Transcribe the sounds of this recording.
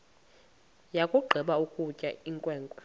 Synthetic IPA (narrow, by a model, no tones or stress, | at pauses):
jakʼuɡ͡ǃʱiɓaukʼucʼa̰iŋkʼwɛːŋkʼɔ